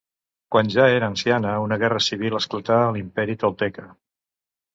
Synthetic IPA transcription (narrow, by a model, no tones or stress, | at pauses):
kwanʲʒaeɾəːnsianəunəɣɛrəsiβiləsklət̪alimpɛɾit̪olˠt̪ɛkə